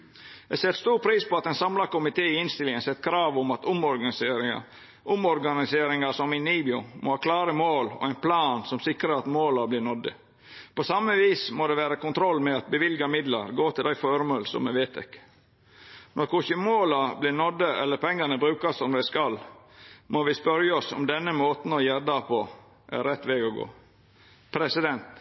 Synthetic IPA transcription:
ɛɡsɛt̪st̪uːɾpʰɾiːspɔɑt̪ɛnsɑmlɑɾkʊmɪt̪ʰeːɪɪnst̪ɪlɪŋənsɛt̪ːkʰɾɑːʋʊmɑt̪ʊmɔɾɡɑseːɾɪɑ̰ | ʔʊmɔɾɡɑnɪseːɾɪŋɑsɔminiːbjʊmʔo̰hɑːkʰlɑːɾəmoːlɔ̰æɪnpʰlɑːnsɔmsɪkɾəɾɑt̪moːlɑblɪːnɔd̪ə̰ | pɔsɑməʋiːsmod̪ɛʋæːɾɑkʊnt̪ʰɾɔlːmɛɑt̪̚bəʋɪlɡɑmɪd̪lɑ̰ɾɡoːt̪ʰɪld̪æɪfɔɾmoːlsɔ̰mːɛʋeːt̪ʰɛ̰k | nɔɾkʰʊçəmoːlɑblɪnɔd̪əɛ̰lːəɾpʰɛŋːɑnəbɾʉːkɑsɔmd̪æɪskɑlː | moʋɪspœɾjəɔsɔ̰md̪ɛnːəmoːt̪n̩ɔjæd̪ɑpʰɔ | ʔæ̰ɾɛt̪ːʋɛːɡɔɡo̰ː | pʰɾɛsɪd̪ɛnt̪

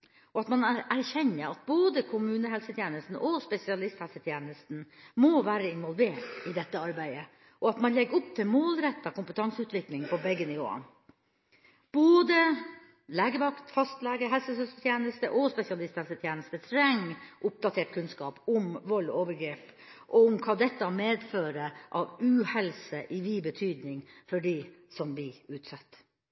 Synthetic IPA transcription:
ɔɑt̪mɑnæɾçɛnːəɾɑt̪̚boːd̪əkʰʊmʉːnəɦɛlsət̪ʰjeːnəst̪n̩ʔɔspɛsɪɑlɪst̪hɛlsət̪ʰjeːnəst̪n̩moʋæːɾəɪnʋɔlʋeːʈɪd̪ɛt̪ːəɑɾbæɪə | ʔɔɑt̪mɑnlɛɡʊp̚t̪ʰɪmoːlɾɛt̪ːɑkʰʊmpət̪ʰɑŋsəʉːt̪ʰʋɪklɪŋpʰɔbɛɡːənɪʋo̰ːə̰ | b̥oːd̪ə | læːɡəʋɑkt̪fɑst̪lɛːɡəɦɛlsəsœst̪ət̪jeːnəst̪ə̰ʔɔspɛsɪɑlɪst̪hɛlsət̪ʰjeːnəst̪ət̪ʰɾɛŋːʔʊp̚d̪ɑt̪ʰeːʈ̚kʰʉnskɑːpʊmʋɔloːʋəɾɡɾeːp | ʔɔʊmkʰɑːd̪ɛt̪ːɑmeːd̪føːɾəʔɑʋʉːhɛlsəʔɪʋibət̪ʰyːd̪nɪŋfɔɖisɔmʋɪʉːt̪sɑt̪ː

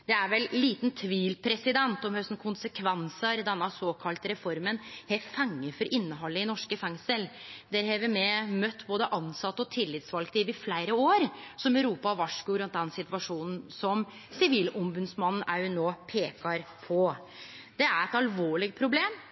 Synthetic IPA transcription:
d̪ɛæɾʋɛlːiːt̪nt̪ʰʋiːlpʰɾɛsɪd̪ɛnt̪ɔmhœst̪n̩kʰʊnsəkʰʋɛnsəɾd̪ɛnːɑsoːkʰɑlt̪əɾɛfɔɾmənhɛfɑŋːəfɔɾʔɪnːəɦɔlːəɪnɔʂkəfɛŋsəld̪ɛɾɦɛʋəɾmɛmœt̪ːboːd̪əʔɑnsɑt̪ːəɔt̪ʰɪlːɪt̪sʋɑlkt̪ʰiʋɪflæɪɾəoːɾsɔmœɾuːpɑʋɑʂkʊɾʉnt̪d̪ɛnsɪt̪ʋɑʂuːnn̩sɔm | sɪʋiːlɔmbʉd̪smɑnn̩ʔæɾjʊnoːpʰeːkɑɾpʰɔ | d̪̥ɛæɾɛt̪ɑlʋoːɭɪɡ̚pʰɾʊbleːm

